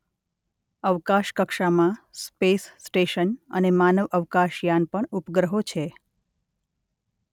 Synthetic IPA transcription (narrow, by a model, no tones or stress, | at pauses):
əʋkaʃkəkʃamãspesːʈeʃənə̰nemanəʋəʋkaʃjanpəɳupɡɾəɦot͡ʃʰe